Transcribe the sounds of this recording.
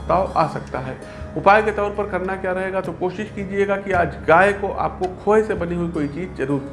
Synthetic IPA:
t̪aːoʔa̰ːsɐkt̪aɦɛː | ʊpaːjket̪ɔːɾpɐɾkɐɾnakjaɾɐɦeːɡat̪okoːʃɪʃkiːd͡ʒieɡakiaːd͡ʒɡaːekoʔa̰ːp̚kokʰoːesebɐniɦʊikoːit͡ʃiːd͡ʒt͡ʃɐɾuːɾ

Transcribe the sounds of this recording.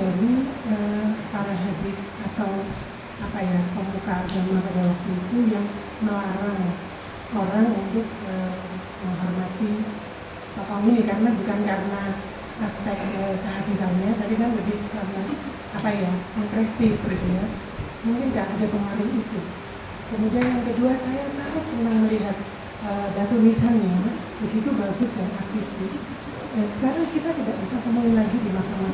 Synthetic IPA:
aɾiəpaɾaɦadit̪̚at̪aw | apajapəmukaːɡamanpadawak̚t̪uit̪ujaŋ | nəlaɾaŋ | ʔoɾaŋunt̪ʊk̚ə | maɦɔrmat̪i | pakɔwinɪkaɾənabukankaɾəna | ʔaspɛk̚t̪əkəɦad̪iɾanɲat̪apikanlabɪhkarəna | apajaaŋpɾɛsɪsɡit̪uja | muŋkɪnɡaʔːdapəmaɾɪnit̪u | kəmudianjaŋkəduasajasaɾat̪ːəŋahməliɦat̪̚ | ədat̪umisanɲa | bəɡit̪ubaɡʊsdanak̚t̪ɪfti | asəkaɾaŋkit̪at̪idaʔbisapəmoɪnlaɡidimahkama

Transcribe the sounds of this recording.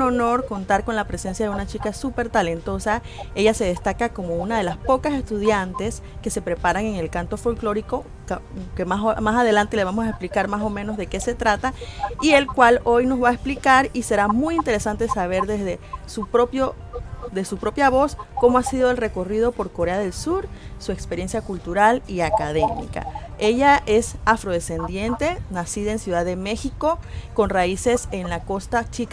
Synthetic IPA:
unono̞ɾko̞nt̪aɾko̞nlapɾe̞se̞nsjaðe̞unat͡ʃikasupe̞ɾt̪ale̞nt̪o̞sa | e̞ʝase̞ð̞e̞st̪akako̞mo̞unað̞e̞laspo̞kase̞st̪uðjant̪e̞s | ke̞se̞pɾe̞paɾaŋe̞ŋe̞lkant̪o̞fo̞lklo̞ɾiko̞ | kkemamasaðe̞lant̪ele̞β̞amo̞saesplikaɾmaso̞mẽ̞no̞zðeke̞se̞t̪ɾat̪aie̞lkwalo̞jno̞zβaesplikaɾise̞ɾamujint̪e̞ɾe̞sant̪e̞saβ̞e̞ɾðezðesupɾopjo | d̪e̞supɾo̞pjaβo̞sko̞moasiðo̞e̞lre̞ko̞rið̞o̞po̞ɾko̞ɾe̞aðe̞lsuɾsue̞kspe̞ɾje̞nsjakult̪uɾaliakaðemḭka̰e̞ʝaʔe̞safɾo̞ð̞e̞se̞nd̪je̞nt̪e̞nasiðaensjuðaðeme̞xikoko̞nraise̞se̞nlakost̪at͡ʃika

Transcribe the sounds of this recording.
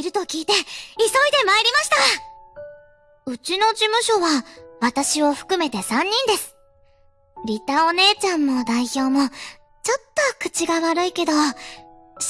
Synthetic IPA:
ɾɯ̟t̪o̞kʲiːt̪e̞iso̞id̪e̞maeɾʲimaɕi̥t̪a | ɯ̟t͡ɕino̞d͡ʑimɯ̟ɕo̞βaβat̪aɕio̞ɸɯ̟̥kɯ̟me̞t̪e̞sãɲ̟ːĩnd̪e̞sɨ̥ | ɾʲit̪ao̞ne̞ːt͡ɕãmːo̞d̪aiço̞ːmo̞ | t͡ɕo̞t̪ːo̞kɯ̟̥t͡ɕiɡaβaɾɯ̟ike̞d̪o̞

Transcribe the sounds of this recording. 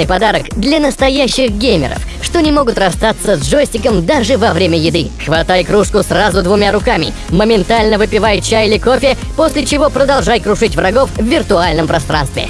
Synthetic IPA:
ɨjpɐd̪aɾəkd̪lʲɐnəst̪ɐjæɕːɪxɡʲemʲɪ̰ɾə̰f | ʂt̪o̞nʲɪmo̞ɡʊt̪rɐst̪at̪səzʐosʲtʲɪkəmd̪aʐɨvɐvɾʲemʲəjɪd̪ɨxvɐt̪ajkɾuʂkʊsrazʊd̪vʊmʲaɾʊkamʲɪ̰ | məmʲɪnt̪alʲnəvɨpʲɪvajt͡ɕajɪlʲɪkofʲɪ | posʲlʲɪt͡ɕɪvo̞pɾəd̪ɐlˠʐajkɾʊʂɨtʲvrɐɡo̞fvvʲɪrt̪ʊalʲnəmpɾɐst̪ɾa̰nst̪vʲɪ̰

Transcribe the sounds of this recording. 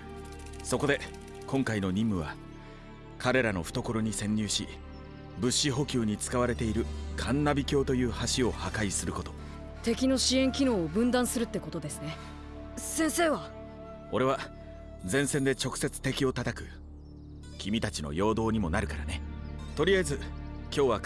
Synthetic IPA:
so̞ko̞d̪e̞ | kõ̞ŋkaino̞ɲ̟ĩmːɯ̟β̞a | kaɾe̞ɾano̞ɸɯ̟t̪o̞ko̞ɾo̞ɲ̟isẽ̞ɲ̟ːɨːɕi | bɯ̟ɕːiɦo̞kʲɨːɲ̟it͡sɨ̥kaβ̞aɾe̞t̪e̞iɾɯ̟kʰãnːabʲikʲo̞ːt̪o̞jɯ̟ːhaɕio̞hakaisɨɾɯ̟ko̞t̪o̞ | t̪e̞kʲino̞ɕiẽ̞ŋkʲino̞ːbɯ̟̃nd̪ãsɨɾɯ̟t̪ːe̞ko̞t̪o̞d̪e̞sɨne̞ | sẽ̞se̞ːβa | o̞ɾe̞β̞a | d͡zẽ̞ɰ̃send̪e̞t͡ɕo̞kɯ̟̥se̞t͡sɨ̥t̪e̞kʲio̞t̪at̪akɯ̟ | kʲimʲit̪at͡ɕino̞̰jo̞ːd̪o̞ːɲ̟imo̞naɾɯ̟kaɾane̞t̪o̞ɾʲijaezɨkʲo̞ːβa

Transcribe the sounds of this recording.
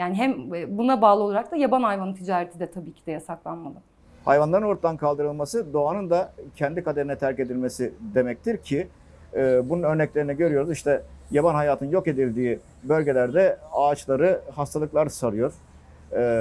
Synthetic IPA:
jaːnɪɦɛmːbunabaːlˠɯolˠaɾak̚d̪ajabanhajvanɯnt̪ʰid͡ʒaːɾet̪ʰid̪ɛt̪ʰabiːcʰid̪ɛjasaklˠanmad̪ˠɯ | hajvanlˠaɾɯno̞ɾt̪ad̪ankʰalˠd̪ɯɾɯlˠmasɯd̪o̞anɯnd̪acʰɛnd̪ikʰad̪eɾinɛt̪ʰæɾce̞d̪ilʲme̞sid̪e̞mɛc̚t̪ʰiɾcʰi | bununø̞ɾnɛclʲe̞ɾinɛɟø̞ɾyjo̞ɾuziʃt̪ʰɛjabanɦajaːt̪ʰɯnjo̞ke̞d̪ilʲd̪iː | bø̞lʲɟe̞lʲæɾd̪ɛaːt͡ʃlˠaɾɯhast̪ʰalˠɯklˠaɾsaɾˠɯjo̞ɾ̥

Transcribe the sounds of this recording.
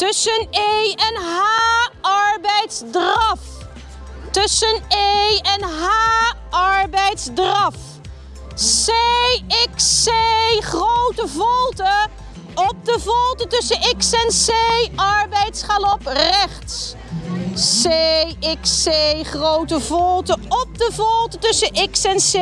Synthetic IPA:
tɵsənejɛnɦaːɑɹbɛjtzdrɑf | tɵsənejɛnɦa | ɑɹbɛjtzdrɑf | seɪkseχrowtəvɔlˠtə | ɔp̚dəvɔlˠtətɵsənɪksɛnsejɑɹbɛjtsχalɔprɛχtsː | eɪksejχrowtəvɔlˠtəɔp̚dəvɔlˠtətɵsəʔɪksɛnse

